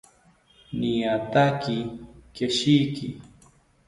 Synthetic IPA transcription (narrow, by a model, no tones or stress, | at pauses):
nijat̪akɪkeʃijkɪ